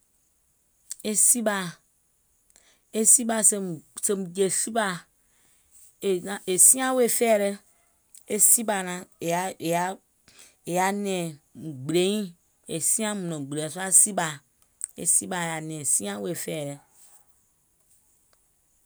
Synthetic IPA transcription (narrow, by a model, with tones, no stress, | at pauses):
e˦si˦ba˨ | e˦si˦ba˨se˦se˨m˨d͡ʒe˨si˦ba˦˨ | e˨nã˨˦ʔe˨si˦ã˦we˨fɛ˦˨ɾe˦ | e˦si˦ba˨nã˨˦e˨ja˦ | e˨ja˦nɛ̃˨ɡ͡bɾe˨˦ĩ˦ | e˨si˦ã˦mũ˨nõ˨ɡ͡bɾẽ˨so˦a˦si˦ba˨ | ḛ˨si˦ba˨ja˨nɛ̃˨si˦ã˦we˨fɛ˦˨ɾe˨